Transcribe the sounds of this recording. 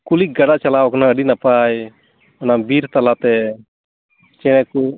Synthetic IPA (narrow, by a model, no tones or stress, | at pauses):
kulik̚ɡaɽaʔt͡ʃalawɔknaəɖinapaj | ɔnabiɾt̪alat̪ɛ | t͡ʃɛɽ̃ɛku